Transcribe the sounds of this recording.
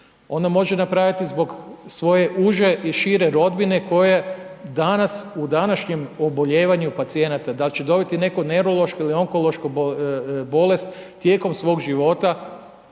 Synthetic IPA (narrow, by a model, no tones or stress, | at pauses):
o̞nd̪amo̞ʒe̞napɾaʋit̪izbo̞ɡsʋo̞je̞ʔuʒe̞ʔiʃiɾe̞ɾo̞d̪bine̞ko̞jed̪anasud̪anaʃɲemo̞bo̞ʎeːʋaɲupat̪sije̞nat̪ad̪at͡ʃed̪o̞bit̪ine̞kone̞ɾo̞lˠo̞ʃkoilio̞ŋko̞lˠo̞ʃko | bo̞le̞st̪ːje̞ːko̞msʋo̞ːɡʒiʋo̞t̪a